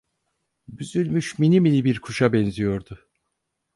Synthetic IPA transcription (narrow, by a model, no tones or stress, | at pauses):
byzylʲmyʃminimilʲibiɾkʰuʃabɛnzijo̞ɾd̪ʊ